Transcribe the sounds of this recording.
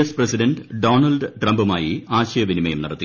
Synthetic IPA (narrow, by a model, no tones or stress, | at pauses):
ɐsprɐsiɖɐnɖɖo̞ːnɐlɖʈrɐmbumaːjiaːɕɐjɐʋinimɐjumniɽɐt̪ːi